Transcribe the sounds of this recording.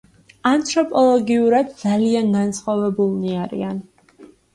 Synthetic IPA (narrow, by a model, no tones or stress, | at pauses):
ant̪ʰʼɾɔpʼɔlˠɔɡiuɾad̪d̪zalianɡansχwavɛbulˠniaɾḭan